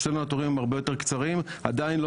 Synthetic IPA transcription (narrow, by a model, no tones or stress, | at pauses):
ʃenuat̪oʁimaʁbe̞jo̞t̪eʁkt͡saʁima̰dainlo